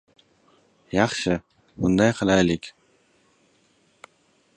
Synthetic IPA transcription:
jɑχʃɨ | bʊnd̪ɑjqʰɨlɑjlɪkʲ

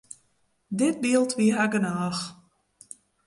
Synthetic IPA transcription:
dɪt̚biəlˠtʋiɦaɡənaːx

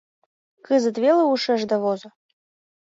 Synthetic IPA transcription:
kɨzə̆t̪βelə̆uʃɘ̆ʒd̪ɑβozɤ̆

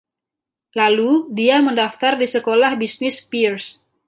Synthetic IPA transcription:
laludiaməndaft̪ardisəkolahbisnɪspirs

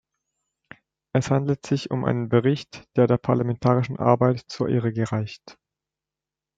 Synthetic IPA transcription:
ʔɛshandl̩tz̥ɪçʊ̰mʔa̰ɪnənbəʁɪçtd̥eːɐdeːɐpʰaɐlamɛntʰaːʁ̞ɪʃn̩ʔa̰ɐbaɪtt͡suːɐʔḛːʁəɡəʁaɪçt

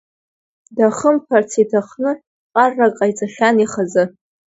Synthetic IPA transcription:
daχəmpʰart͡sʰitʰaχnɨ | qʼarːakʼajt͡sʼaχʲaniχazɨ

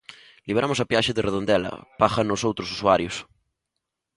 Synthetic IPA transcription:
liβɾamʊsapjaʃeðereðond̪ɛlɐ̰paxanːosowt̪ɾosu̥suaɾjʊs

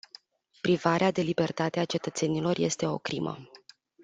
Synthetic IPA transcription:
pɾivaɾead̪e̞libe̞rt̪at̪eat͡ʃe̞t̪ət̪se̞nilo̞rje̞st̪e̞o̞̰kɾimə̰

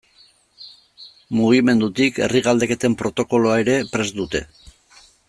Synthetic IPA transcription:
muɣ̞ime̞nd̪ut̪ike̞̰riɣald̪e̞ke̞t̪e̞mpɾo̞t̪o̞ko̞loaeɾe̞pɾe̞zd̪ut̪e̞

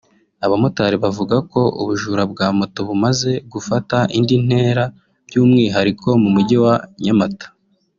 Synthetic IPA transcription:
aβamotaɾiβavuɡako̞ṵβuʒuɾabɡaːmotoβumaze̞ɡufataʔindin̥e̞ːɾa | b̥ɟuːmŋiːɦaɾikʰo̞mumuɟiwaɲamatḁ

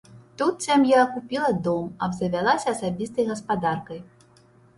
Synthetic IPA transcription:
t̪ut̪sʲamjakupʲilˠɐd̪ɔmɐbzɐvʲalˠasʲɐːsabʲist̪ɐjɣɐspad̪arkɐj

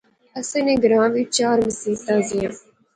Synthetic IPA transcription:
ɐsẽːnẽːɡəɾãːʋiːt͡ʃaːɾməsiːt̪aːzijãː

